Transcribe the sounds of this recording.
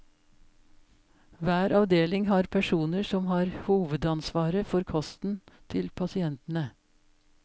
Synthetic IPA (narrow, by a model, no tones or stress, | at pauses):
ʋæːɾɑʋd̪eːlɪŋhɑːɾpʰæʂuːnəsɔmhɑːɾhuːʋəd̪ɑnsʋɑːɾəfɔɾkʰɔst̪n̩t̪ʰɪlpʰɑsɪɛnt̪n̩ə